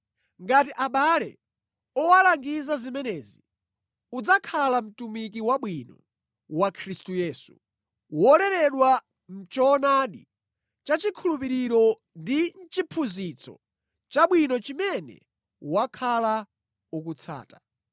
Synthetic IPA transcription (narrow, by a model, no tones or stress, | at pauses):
ŋɡatiʔaɓalɛ̰ | ɔwalaŋɡizazimɛnɛːzi | ud͡zakʰalam̩tumik̬iwaɓwinɔ̰ | wakʰɾistujɛːsu | wɔlɛɾɛɗwa | m̩t͡ʃɔnaɗḭ | t͡ʃat͡ʃikʰulupiɾiɾɔ | ndin̩t͡ʃipʰuzit͡sʰɔ̰ | t͡ʃaɓwinɔt͡ʃimɛnɛ̰ | wakʰala | uk̬ut͡sʰa̰ːta